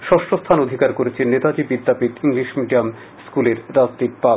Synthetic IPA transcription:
ʃɔʃʈost̪ʰanod̪ʱikaɾkoɾet͡ɕʰenːet̪ad͡ʑibid̪ʱːapit̪iŋɡliʃmiɖiam | skuleɾːad͡ʑt̪iɾpa

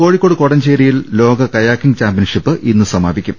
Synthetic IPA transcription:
ko̞ːɻikʲːo̞ːɽɨkoɽɐɲt͡ɕeːɾijillo̞ːɡɐkɐjaːkːiŋɡt͡ɕaːmpijɐnʂipːɨʔinːɨsɐmaːbikʲːumm

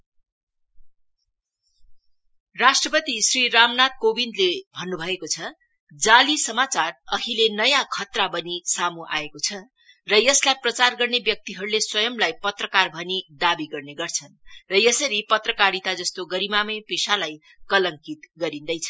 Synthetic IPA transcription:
rasʈrʌpʌt̪isriramnat̪̚kobind̪lebʱʌnːubʱʌekot͡sʰʌ | d͡zalisʌmat͡sarʌɦilenʌjãkʰʌt̪rabʌnisamuʔa̰ekot͡sʰʌ | rʌjʌslajprʌt͡sarɡʌrnebjʌk̚t̪iɦʌɾuleswʌjʌmlajpʌt̪rʌkarbʱʌnid̪abiɡʌrneɡʌrt͡sʰʌnrʌjʌsʌɾipʌt̪rʌkaɾit̪ad͡zʌst̪oɡʌɾimamʌpesalaj | kʌlʌŋkit̪ɡʌɾind̪ʌjt͡sʰʌ̥

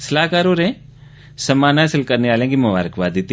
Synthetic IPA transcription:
sɐlaːkaːɾoːɾẽ | sɐmaːnasɪlkəɾneaːlẽːkimʊʋa̰ːɾəkʋaːd̪it̪ː

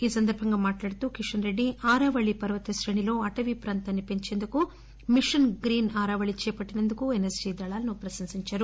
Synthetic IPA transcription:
iːsɐnd̪ɐɾbʱɐŋɡɐmaːʈlaːɽit̪ukiʂɐnɾeɖːiaːɾaːʋɐɭipɐɾʋɐt̪ɐʃɾeɳilo̞ːɐʈɐʋipɾaːnt̪ɐnːipeɲt͡ʃe̞nd̪uku | miʂɐnɡɾiːnaːɾaːʋɐɭit͡ʃɛːpɐʈːinend̪ukuenesd͡ʒid̪ɐɭaːlnupɾɐsɐnsiɲt͡ʃɐɾu

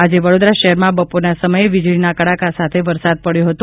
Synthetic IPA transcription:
ad͡ʒeʋəɽod̪ɾaʃəɦɛɾmãbəpoɾnasəməjeʋɪd͡ʒɭinakəɭakasat̪ʰeʋəɾsad̪̚pəɽjoɦət̪o

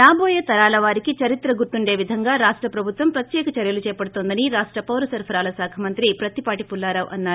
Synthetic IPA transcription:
ɾaːbɔːjɐt̪ɐɾaːlɐʋaːɾikit͡ʃɐɾit̪ɾɐɡuɾt̪uɳɖe̞ːʋid̪ʱɐŋɡaːɾaːʂʈɾɐpɾɐbʱut̪ʋɐmpɾɐt̪jɛːkɐt͡ʃɐɾjɐlut͡ʃɛːpɐɽut̪ond̪ɐniɾaːʂʈɾɐpɐwɾɐsɐɾpʰɐɾaːlɐsaːkʰɐmɐnt̪ɾipɾɐt̪ipaːʈipulːaːɾɐʋʔɐ̰nːaːɾu

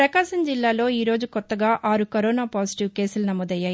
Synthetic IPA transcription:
pɾɐkaːʃɐmd͡ʒilːaːlo̞ːiːɾo̞ːd͡ʒukɔt̪ːɐɡaːʔaːɾukɐɾoːnaːpaːsiʈiʋke̞ːsulnɐmɔːd̪ɐjːaːji

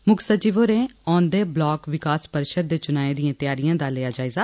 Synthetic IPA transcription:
mʊksət͡ʃiːʋoːɾẽːɔːnd̪eːblɔːkʋɪkaːspəɾʃəd̪̚ːeːt͡ʃʊnaːed̪iãːt̪ɪjaːɾijãːd̪aːlejaːd͡ʒaːeːɡaː

